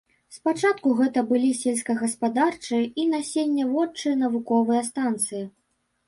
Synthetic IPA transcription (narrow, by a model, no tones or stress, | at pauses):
spat͡ʂat̪kuɣɛt̪ɐbɨlʲisʲelʲsʲkɐɣɐspad̪art͡ʂɨinasʲenʲːɐvɔt͡ʂːɨjɐnɐvukɔvɨjɐst̪ant̪sɨji